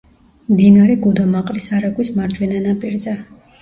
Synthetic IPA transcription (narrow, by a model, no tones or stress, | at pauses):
md̪inaɾɛɡud̪amaqʼlisaɾɛɡwismaɾd͡ʒwɛnanapʼiɾzɛ